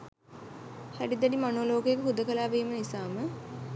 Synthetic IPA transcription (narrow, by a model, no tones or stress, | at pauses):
hæɖid̪ɛɖimanoːloːkəjekəɦud̪əkəlaːʋiːmənisaːmə